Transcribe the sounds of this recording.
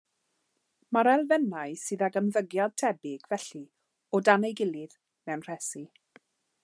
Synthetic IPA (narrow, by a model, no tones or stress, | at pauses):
maɾɛlˠvɛnaɨsɨðaɡəmðəɡjad̚tʰɛbɪɡ̥vɛɬi | ɔdanejɡɪlˠɪð | mɛwnr̥ɛsi